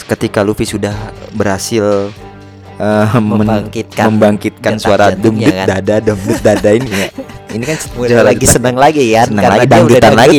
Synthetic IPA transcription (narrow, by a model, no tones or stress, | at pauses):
kət̪ikalufisudahbəɾhasɪl | əəŋkit̪̚kməmbaŋkit̪̚kansuaɾadʊmdʊdadadumdʊt̪̚dadainijainikanmudalaɡisənəŋlaɡikanəŋlaɡidbadut̪anlaɡɡi